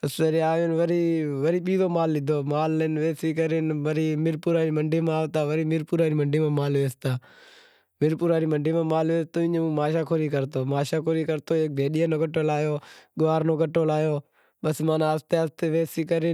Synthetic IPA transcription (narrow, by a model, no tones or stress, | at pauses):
əsəɾiːaːʋenʋəɾiːʋəɾiːɓiːdoːmaːlːɪd̪ʱoːmaːlnʋeːsiːkəɾɪnʋəɾiːmɪɾpuːɾaːɾiːməɳɖiːmãaːʋt̪aːʋəɾiːmɪɾpuːɾaːɾiːməɳɖiːmãːmaːlʋeːst̪aː | mɪɾpuːɾaːɾiːməɳɖiːmãːmaːlʋeːst̪oːɪɲːũːmaːʃaːkʰoɾiːkəɾt̪oːmaːʃaːkʰoːɾiːkəɾt̪oːeːk̚bʱeːɗɪjaːnoːkəʈoːlaːjoːɠʊʋaːɾnoːkəʈːoːlaːjoː | ɓəsmãːnaːst̪east̪eːʋeːsiːkəɾɪ